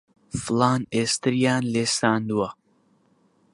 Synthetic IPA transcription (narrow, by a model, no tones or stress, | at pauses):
fɨlˠaːneːst̪ɨɾjaːnleːsaːnd̪uwɐ